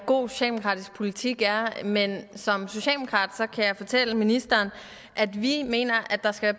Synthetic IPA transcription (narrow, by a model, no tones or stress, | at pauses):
ɡ̥o̝̰ːɕɛlmokʰʁɑ̈ːd̥ispʰo̝lit͡sʰiɡ̥æɐmensɒ̽mso̝ɕɛ̰lmokʰʁɑ̰̈ːd̥sɒ̽kʰæjɑ̈ɪfɒ̽t͡sʰel̰əminisd̥ɐːn | ʔæd̥ʋime̝̰ːnɐʔæd̥ɑ̈sɡ̥æʋæɐ